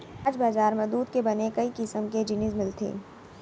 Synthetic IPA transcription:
aːd͡ʒbaːzaːɾmẽd̪uːd̪kebɐnekɐikɪsəmked͡ʒɪnɪzmɪlt̪ʰḛː

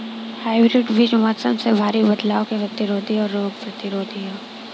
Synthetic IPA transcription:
haːɪbɾɪɖʋid͡ʒmɔːt̪sə̰msebʱaːɾibɐd̪laːõkepɾɐt̪ɪɾoːd̪ʱiɔːɾːoːɡ̚pɾɐt̪ɪɾoːd̪ʱiɦɛː

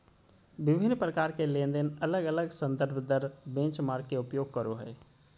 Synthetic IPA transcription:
ʋɪbʱɪnːpɾəkaːɾkelẽːnd̪enɐləɡələɡsə̃nd̪əɾbʱd̪əɾbẽːt͡ʃmaːɾkeʊpjoːɡ̚kəɾoɦɛː

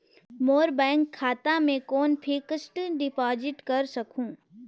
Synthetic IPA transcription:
moːɾbɛ̃ːŋkʰːaːt̪amẽkɔːnpʰɪkəsʈənɖɪpɔːd͡ʒɪʈkɐɾsɐkʰũː

